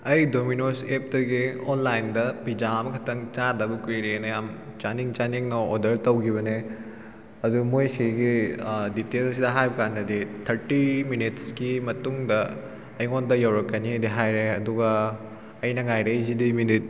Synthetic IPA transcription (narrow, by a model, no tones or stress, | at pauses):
ɐjdominosep̚tɐɡionlajndɐpid͡ʒamɐkʰɐtʰɐŋt͡ʃadɐbɐkɾiɾenɐjam | t͡ʃaniŋt͡ʃaniŋnɐodɐɾtɐwkʰiβɐne | ɐdumojsiɡiditelɐsidɐɦajbɐkandɐditʰɐɾtiminitskimɐtuŋdɐː | jŋondɐjɐwɾɐkːɐnidiɦajɾeɐduɡɐː | jnɐŋajɾejzidiminit̚